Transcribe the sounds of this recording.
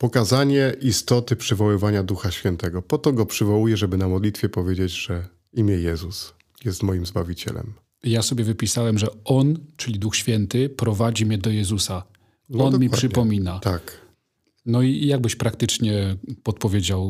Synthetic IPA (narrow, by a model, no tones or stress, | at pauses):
pɔkazaɲɛʔist̪ɔt̪ɘpʂɘvɔwɘvaɲad̪uxaɕfʲjɛnt̪ɛɡɔpɔt̪ɔɡɔpʂɘvɔwujɛʐɛbɘnamɔd̪lʲit̪fʲjɛpɔvʲjed͡ʑed͡ʑʐ̥ɛ | imʲjɛjɛzus | jɛst̪mɔjimzbavʲit͡ɕɛ̰lɛ̰m | jasɔbʲjɛvɘpʲisawɛmʐɛɔnt͡ʂɘlʲid̪uxɕfʲjɛnt̪ɘpɾɔvad͡ʑimɲɛd̪ɔjɛzusa | ɔnmʲipʂʂɘpɔmʲinat̪ak | nɔijaɡ̚bɘɕpɾakt̪ɘt͡ʂɲɛpɔt̪̚pɔvʲjed͡ʑaw